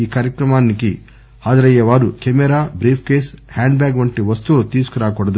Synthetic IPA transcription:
iːkaːɾjɐkɾɐmaːniki | haːd͡ʒɐɾɐjɐʋaːɾukemɛɾaːbɾiːpʰkeːshaːɳɖbjaːɡʋɐɳʈiʋɐst̪uɾut̪iːsu̥kɐɾaːkɔɽɐd̪u

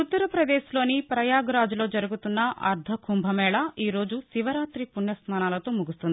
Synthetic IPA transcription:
ut̪ːɐɾɐpɾɐd̪eːslo̞ːnipɾɐjaːɡɾaːd͡ʒulo̞ːd͡ʒɐɾuɡut̪unːɐʔɐ̰ɾd̪ʱɐkʰumbʱɐmɛːɭɐiːɾo̞ːd͡ʒusiʋɐɾaːt̪ɾipunjɐsnaːnaːlɐt̪o̞ːmuɡust̪und̪i

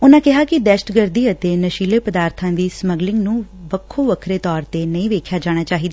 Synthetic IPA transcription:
ʊnãːkɪɦaːkɪd̪ɛːʃʈɡəɾd̪iːət̪eːnəʃiːleːpəd̪aːɾt̪ʰãːd̪iːsməɡlɪŋɡnũːʋəkʰːoːʋəkʰɾeːt̪ɔːɾt̪eːnəĩːʋeːkʰjaːd͡ʒaːɽ̃aːt͡ʃaːɦiːd̪aː

